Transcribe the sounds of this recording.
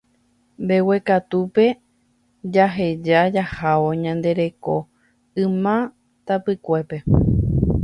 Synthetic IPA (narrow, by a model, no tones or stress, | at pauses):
mbe̞we̞kat̪upe̞ | d͡ʒaɦe̞d͡ʒad͡ʒahaʋo̞ɲãnd̪e̞ɾe̞ko̞̰ | ɨ̃mã | t̪apɨkʷe̞pe̞